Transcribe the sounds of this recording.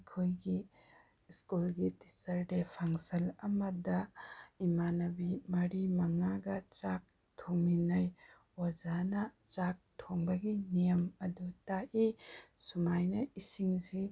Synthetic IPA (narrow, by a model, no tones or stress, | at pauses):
kʰojɡi | skulɡiti̥sɐɾdepʰaŋsɐlɐmɐdɐimanɐbimɐɾimɐŋaɡɐt͡ʃak̚ | tʰoŋinɐj | wazanɐ | t͡ʃak̚tʰoŋbɐɡinijɐmɐdutaʔisumajnɐisiŋsi